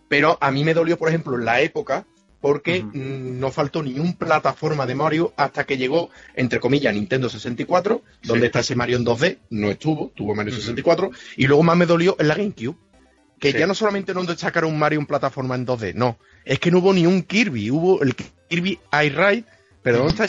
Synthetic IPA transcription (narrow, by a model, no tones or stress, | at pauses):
pe̞ɾoʔamĩme̞ðo̞ljo̞poɾehe̞mploenlae̞po̞ka | po̞ɾke̞no̞falt̪o̞nĩumplat̪afo̞ɾmaðe̞maɾjuast̪ake̞ʎe̞ɣ̞o̞e̞̰nt̪ɾe̞ko̞miʎanĩnt̪e̞nd̪ose̞se̞nt̪ikwat̪ɾo | d̪o̞nd̪est̪ae̞se̞maɾjond̪o̞ðe̞nõ̞e̞ht̪uβot̪uβomaɾjoses̬ent̪ikwat̪ɾoilwe̞ɣomãɦme̞ðo̞ljo̞ʔelaɣejŋkju | ke̞ʝano̞so̞lament̪e̞nod̪et̪akaɾouŋmaɾjuemplat̪afo̞ɾmaend̪o̞ðe̞no̞ | e̞shke̞nouβonĩuŋkiɾβiuβo̞ʔelk | iɾβiajrajt̪̚ | pe̞ɾoðonet̪a